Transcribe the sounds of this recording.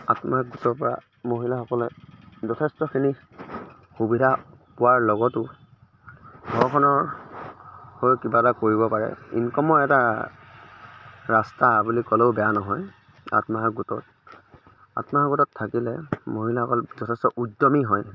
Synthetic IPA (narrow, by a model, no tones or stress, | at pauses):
a̰tmaɡutɔpɹa̰ | moɦilaxɔkɔlɛzɔtʰɛstɔkʰini | xubidʱapʊwaɹlɔɡɔtʊ | ɡʱɔɹkʰɔnɔ | hoɹkibatakoɹibɔpaɹɛ̰ḭŋkɔmɔɛta | ɹastabulikɔleʊbɛjanɔɦɔj | a̰tmaɡutɔt̚ | a̰tmaɡutɔtʰːakilɛmoɦilahɔkɔlzɔtʰɛstɔʔudːɔmiɦɔj